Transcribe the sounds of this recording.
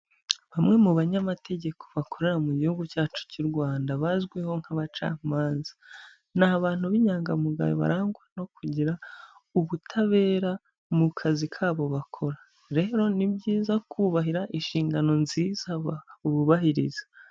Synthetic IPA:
βamŋe̞muβaɲamatʰe̞ɟe̞kʰo̞̥βakʰo̞ɾe̞ɾamuɟihuɡucaːt͡ʃu̥cuɾɡwaːndaβazɡweho̞ŋ̥haβat͡ʃa̰ːmaːnzḁ | naβaːn̥huβiɲaːŋɡamuɡa̰joβa̰ɾaːŋɡwano̞kʰuɟiɾa | uβutʰaβe̞ːɾa | mukʰazikʰaːβo̞βakʰo̞ɾa | ɾe̞ːɾo̞nibɟiːzakʰuːβaɦiɾaʔiʃiːŋɡano̞nziːzauβuβahiɾḭzḁ

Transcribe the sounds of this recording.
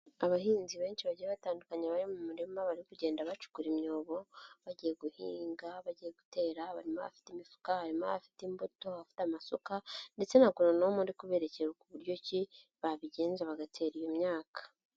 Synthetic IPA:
aβaɦiːnziβe̞ːnʃiβaɟijeβataːndukaɲeβaɾimumuɾimaβaɾikuɟe̞ːndaβat͡ʃu̥kuɾimɲo̞ːβo̞βaɟije̞ɡuhiːŋɡaβaɟije̞ɡute̞ːɾaβaɾima̰βa̰fi̥timifu̥kahaɾimoβafi̥timboto̞βafi̥tamasukande̞t͡se̞naɡuɾonoomundikuβe̞ɾe̞ceɾukuβuɾɟo̞ci | βaβiɟe̞ːnzeβaɡatʰe̞ːɾijo̞mɲaːkḁ

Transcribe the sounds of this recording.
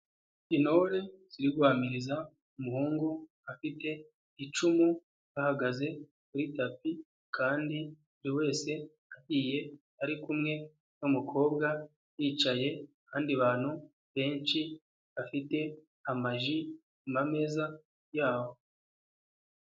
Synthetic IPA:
ino̞ɾe̞z̥iɾiɡwaːmiɾiza | umuhuːŋɡu | afite̞ | it͡ʃumu | βahaɡaze̞ | kuɾitapi | kʰaːndi | uɾiwe̞ːse̞ | aɟiːje̞ | aɾikumŋe̞ | nomukʰo̞ːbɡa | jiːt͡ʃaje̞ | kʰaːndiβaːn̥hu | βe̞ːnt͡ʃi | βafite̞ | amaʒi | mame̞za | jaːwo̞

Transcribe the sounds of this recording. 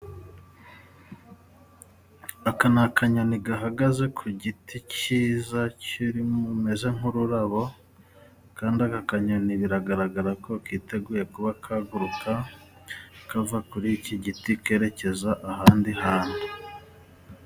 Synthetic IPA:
akanakʰaɲoniɡaɦaɡaze̞kʰuɟitʰiciːzaciɾimume̞ze̞ŋ̥uɾuɾaβo̞ | kaːndiakakaɲoniβiɾaɡaɾaɡaɾako̞kiːte̞ɡuːje̞kuβakʰaɡuɾukʰa | kavakuɾiciɟitike̞ːɾe̞ce̞zaʔaɦaːndihaːne

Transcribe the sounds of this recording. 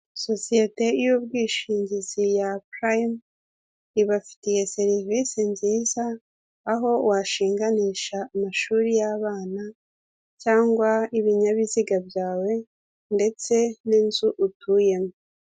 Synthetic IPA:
so̞sijete̞ijub̚ɡiːʃiːɲɟizijapɾajm | iβafi̥tije̞se̞ɾivisiɲziːzaː | ɦo̞waʃiːŋɡaniʃaːmaʃuːɾijaβaːna | caːŋɡwaiβiɲaβiziɡabjaːwe̞ | nde̞t͡se̞ninzuʔutʰuje̞mo

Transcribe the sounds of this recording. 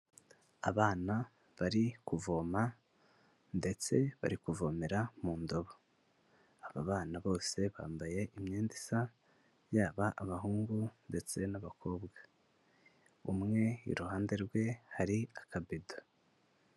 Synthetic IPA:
aβaːna | βaɾikuvo̞ːma | nde̞t͡se̞βa̰ɾikuvo̞ːmeɾamuːndo̞βo | aβa̰βaːnaβo̞ːse̞βa̰ːmbaje̞ʔimɲeːndisa | jaːβaʔaβaɦuːŋɡunde̞t͡se̞naβakʰo̞ːbɡa | umŋe̞ḭɾuhaːnde̞ɾɡwe̞haɾiakabido

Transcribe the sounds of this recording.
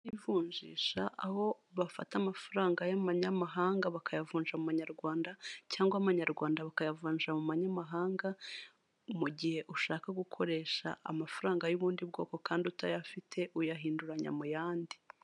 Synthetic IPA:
ivuːɲʒḭːʃa̰ʔaho̞ | βafatamafaɾaːŋɡajamaɲamaɦaːŋɡaβakʰajavuːnʒamumaɲaɾɡwaːndacaːŋɡwaβaɲaɾɡwaːndaβakajavuːnʒamumaɲamaɦaːŋɡa | muɟihe̞ʔuʃaːkaɡukʰoɾe̞ːʃa̰ʔa̰mafaɾaːŋɡajuβuːndibɡo̞ːko̞kaːndiutajafitʰe̞ʔujaɦiːnduɾaɲa̰mujaːndi

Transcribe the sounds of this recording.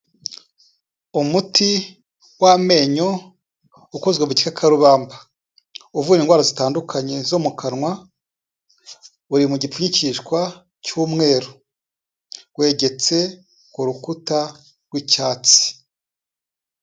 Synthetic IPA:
umutʰi | wame̞ɲo | ukozɡeβuɟi̥kakʰaɾuβaːmba | uvuːniːŋɡwaːɾazitaːndukʰaɲe̞zomukʰanŋwa | uɾimuɟipuɲiciʃkwa | cuːmŋe̞ːɾo | we̞ːɟe̞t͡se̞ | kuɾukuta | ɡwicaːt͡si̥

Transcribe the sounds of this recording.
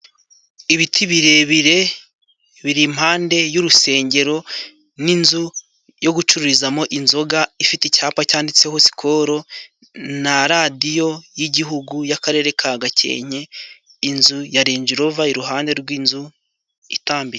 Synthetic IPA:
iβitʰiβiɾe̞βiɾe̞ | βiɾim̥haːnde̞juɾuse̞ːɲɟe̞ɾo̞ | ninzu | jo̞ɡut͡ʃuɾuɾizamo̞ʔinzo̞ɡaifitichaːpacaːndit͡se̞ho̞si̥kʰo̞ɾo̞ | naɾadijo̞jiɟiɦuɡujakaɾe̞ːɾe̞kʰaɡacḛːɲe̞ | inzujaɾeːɲd͡ʒiɾo̞vaiɾuɦaːnde̞ɾɡwiːnzu | ḭtaːmbiɾe

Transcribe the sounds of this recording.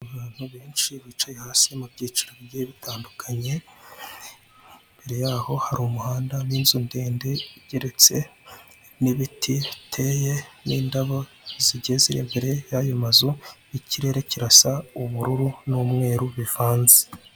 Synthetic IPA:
aβiːn̥huβeːnʃiβit͡ʃajehaːsimubɟiːt͡ʃiɾoβjeβitʰaːndukʰaɲe̞ | mbe̞ɾe̞jaːho̞haɾumuhaːndaβiːnzunde̞ːnde̞iɟeɾe̞t͡se̞ | niβitʰitʰe̞je̞niːndaβo | ziɟe̞ziɾḛːmbeɾe̞jajomazuiciɾe̞ɾeciɾasauβuɾuɾunumŋe̞ːɾuβivaːnze

